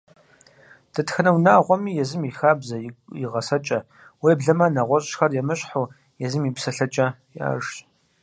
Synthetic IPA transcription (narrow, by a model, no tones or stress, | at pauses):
d̥ɐtxɐnɐwnaːʁʷɔmiːjɛzɨmixaːbzɐjiʁɐsɐt͡ʃʼɐ | weːbɮɐmanɐʁʷɔɕʼxɐrjɛmɨɕʼħoː | jɛzɨmiːpsɐɬɐt͡ʃʼɐ | ja̰ːʒt